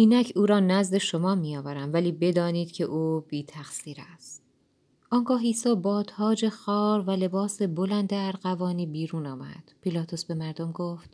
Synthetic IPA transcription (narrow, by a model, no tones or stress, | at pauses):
ʔiːnæcʰuːɾɒːnæzd̪e̞ʃo̞mɒːmijɒːvæɾæmvæliːbe̞d̪ɒːniːd̪cʰe̞̰ʔuːbiːt̪ʰæxsiːɾæst̪ | ʔɒːŋɡɒːɦiːsɒːbɒːd̪̥hɒːd͡ʒe̞xɒːɾvæle̞bɒːse̞bo̞lænd̪eːɾɢævɒːniːbiːɾuːnɒːmæ̰d̪̥pʰilɒːt̪ʰo̞sbe̞mæɾd̪o̞mɡoft̪